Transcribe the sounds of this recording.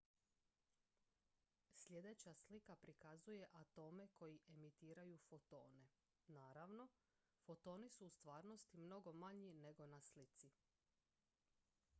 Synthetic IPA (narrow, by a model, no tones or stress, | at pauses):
sʎʲje̞d̪e̞t͡ɕaslikapɾikazuje̞ʔat̪o̞ːme̞kʰo̞jiʔe̞mit̪iːɾajufo̞t̪o̞̰ːne̞ | naːɾaʋno̞ | fo̞t̪o̞ːnisuːst̪ʋaːɾno̞st̪imno̞ɡo̞maɲine̞ɡo̞naslit̪si